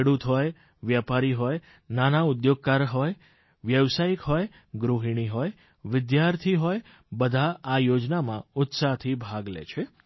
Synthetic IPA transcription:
ɽut̪ɦɔj | ʋjapaɾiɦɔj | nanaud̪joɡ̚kaɾɦɔj | ʋjəʋsajikɦɔj | ɡɾuɦiɳ̃iɦɔj | ʋɪd̪jaɾt̪ʰiɦɔj | bəd̪ʱaːjod͡ʒnamã̰ʊt̪sat̪ʰibʱaɡlḛt͡ʃʰe

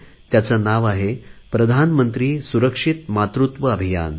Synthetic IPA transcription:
t̪jat͡sanaʋaɦepɾəd̪ʱanmənt̪ɾiːsuɾəkʂit̪mat̪ɾut̪ʋəːbʱija̰n

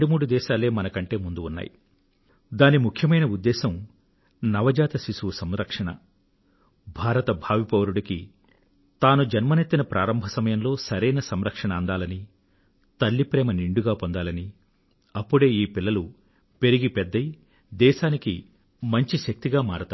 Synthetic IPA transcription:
ɖumuːɽud̪ɛːʃaːle̞ːmɐnɐkɐɳʈe̞ːmund̪uːnːa̰ːji | d̪aːnimukʰjɐmɐjnɐud̪ːɛːʃɐm | nɐʋɐd͡ʒaːt̪ɐsiʃusɐmɾɐkʂɐɳɐ̰ | bʱaːɾɐt̪ɐbʱaːʋipɐʋɐɾuɽɐki | t̪aːnud͡ʒɐnmɐnet̪ːinɐpɾʔaːɾɐmbʱɐsɐmɐjɐmlo̞ːsɐɾejnɐsɐmɾɐkʂɐɳɐːnd̪aːlɐni | t̪ɐlːipɾɛːmɐniɳɖuɡaːpond̪aːlɐni | ɐpːuɽe̞ːiːpilːɐlu | pe̞ɾiɡipɛd̪ːɐj | d̪ɛːʃaːniki | mɐɲt͡ʃiʃɐk̚t̪iɡaːmaːɽut̪aː

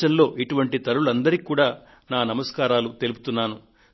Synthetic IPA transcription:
ɐnlo̞ːʔiʈuʋɐɳʈit̪ɐɾuluɐnd̪ɐɾikuːɽaː | naːnɐmɐskaːɾaːlut̪e̞lup̬u̥t̪unːaːnu

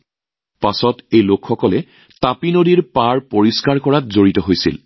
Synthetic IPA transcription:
pasɔtejlokxɔkɔlɛ | tapinodiɹpaɹpoɹiskaɹkɔɹatzoɹitɔɦojsḭl

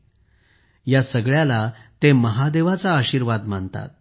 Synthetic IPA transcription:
jasəɡɭjalat̪eməɦad̪eʋat͡saəɕiːɾʋad̪m̤əɳt̪a̰t̪̚

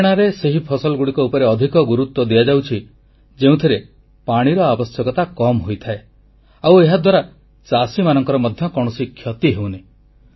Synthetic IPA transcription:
ɽ̃aɾeseɦipʰɔsɔlɡuɽikɔupɔɾeɔd̪ʱikɔɡuɾut̪wɔd̪iad͡ʒawt͡ʃʰi | d͡ʒeũt̪ʰiɾe | paɽ̃iɾɔabɔsjɔkɔt̪akɔmɦojt̪ʰae | aweɦad̪waɾa | t͡ʃasimanɔŋkɔɾɔmɔd̪ʱjɔkɔɽ̃ɔsikʰjɔt̪iɦewne

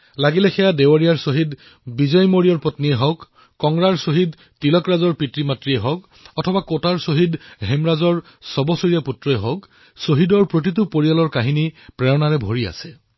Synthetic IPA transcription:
laɡilɛxɛjadewaɹijaɹsoɦid | bizɔjmoɹijɔɹpɔtniɛɦɔk | kːɔŋɡɹaɹsoɦid | tilɔkɹazɔɹpitɹimatɹiɛɦɔk | ɔtʰɔbakotaɹsoɦidɦemɹazɔɹ | sɔbɔsoɹijaputɹɔɛɦɔk | soɦidɔɹpɹot̬it̬upoɹijalɔɹkaɦinipɹɛɹɔnaɹɛbʱoɹia̰sɛ

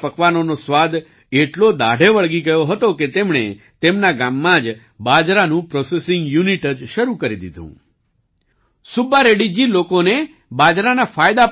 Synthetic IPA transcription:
pəkʋanonosʋad̪ | eʈlod̪aɽ̤ʱeʋəɭɡiɡəjoɦət̪oket̪emɳ̃e | t̪emnaɡamːãd͡ʒ | bad͡ʒɾanũpɾɔsesɪ̃ŋɡjuniʈəd͡ʒʃəɾukəɾid̪ḭd̪ʱṵ̃ | subaɾeɽid͡ʒilokone | bad͡ʒɾanafajd̪ap

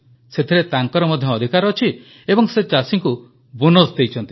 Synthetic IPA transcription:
set̪ʰiɾet̪aŋkɔɾɔmɔd̪ʱjɔːd̪ʱikaɾːt͡ʃʰi | ebɔŋset͡ʃasiŋku | bunosd̪ejt͡ʃʰɔnt̪i

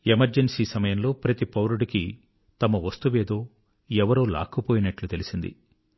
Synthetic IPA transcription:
emɐɾd͡ʒensiːsɐmɐjɐmlo̞ːpɾɐt̪ipɐwɾuɽiki | t̪ɐmɐʋɐst̪uʋe̞ːd̪o̞ː | ɛʋɐɾoːla̰ːkɐpoːjinɐʈlut̪e̞lisind̪ḭ

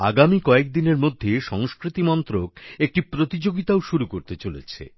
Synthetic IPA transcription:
a̰ɡamikɔek̚d̪ineɾmod̪ʱːeʃɔŋskɾit̪imɔnt̪ɾokek̚ʈipɾot̪id͡ʑoɡit̪aoʃuɾukoɾt̪et͡ɕolḛt͡ɕʰḛ

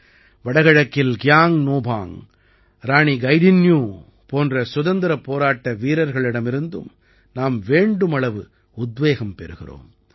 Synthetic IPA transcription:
ʋɐɽɐɣɐɻɐkːɪlɡɪjaːŋnoːbʱaːŋ | ɾaːɳiɡɐɪɖɪnjuː | poːndrɐsʊðɐnd̪ɪɾɐpːoːɾaːʈːɐʋiːɾɐɾɣɐɭɪɽɐmɪɾɯnd̪ɯ̰m | naːmʋeːɳɖɯmɐɭɐʋɯ | ʊd̪ʋeːɣɐmpɛɾɯɣɪ̰ro̰ːm

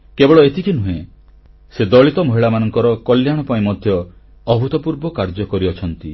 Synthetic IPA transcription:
kebɔɭɔet̪ikʰinuɦẽ | sed̪ɔɭit̪ɔmoɦiɭamanɔŋkɔɾɔkɔljaɽ̃ɔpaĩmɔd̪ʱjɔː | bʱut̪ɔpuɾbɔkaɾd͡ʒɔkɔɾiɔt͡ʃʰɔnt̪i

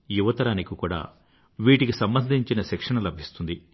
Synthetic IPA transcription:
juʋɐt̪ɐɾaːnikikuːɽa̰ː | ʋiːʈikisɐmbɐnd̪ʱiɲt͡ʃinɐsɛkʂɐɳɐlɐbʱist̪und̪i

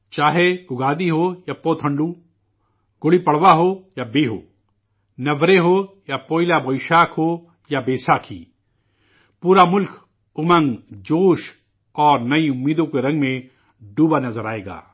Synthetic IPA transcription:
t͡ʃaːɦeʊɡaːd̪iɦojapoːt̪ʰə̃ɳɖũ | ɡ̥ʊɽipɐɽʋaɦoːjabeːɦo̰ː | nɐʋɾeɦo | japoːɪlabɔːiʃaːkɦoː | jabeːsaːkʰḭː | puːɾamʊlkʰ | ʊmə̃ŋɡd͡ʒoːʃ | ɔːɾnɐiʊmːiːd̪õkeɾɐ̃ŋɡmẽ | ɖuːbanɐzəɾaːeːɡa̰ː

